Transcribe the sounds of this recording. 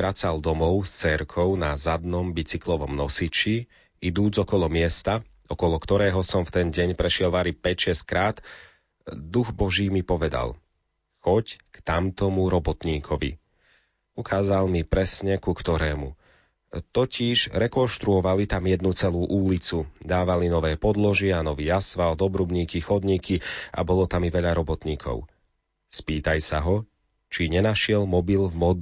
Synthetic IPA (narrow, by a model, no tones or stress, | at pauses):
ɾat͡sald̪ɔmɔʊst͡sɛɾkʰɔʊnazad̪nɔmbit͡siklɔʋɔmnɔsit͡ʃi | id̪uːd͡zɔkɔlɔmɪɛst̪a | ɔkɔlɔkt̪ɔɾɛːɦɔsɔmft̪ɛnɟɛɲpɾɛʃɪɛlʋaɾipɛcʃɛsckɾaːt̪ | d̪uɣbɔʒiːmipɔʋɛd̪a̰l | xɔckt̪amt̪ɔmuɾɔbɔt̪ɲiːkʰɔʋḭ | ukʰaːzalmipɾɛsɲɛkukt̪ɔɾɛːmu | t̪ɔciʒɾɛkɔnʃt̪ɾuɔʋalit̪amjɛd̪nut͡sɛluːʔulit͡sud̪aːʋalinɔʋɛːpɔd̪lɔʒɪɛanɔʋiːasʋald̪ɔbɾubɲiːkixɔd̪ɲiːkia̰bɔlɔt̪amiʋɛʎaɾɔbɔt̪ɲiːkʰɔ̰ʊ | spiːt̪ajsaɦɔ | t͡ʃiɲɛnaʃɪɛlmɔbilvmɔd̪